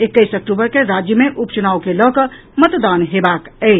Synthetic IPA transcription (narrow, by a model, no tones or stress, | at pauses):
ekːəjsək̚ʈubəɾkeɾad͡ʒjəmeʔupt͡ʃənaukelɔkə | mət̪d̪anɦebakəɪ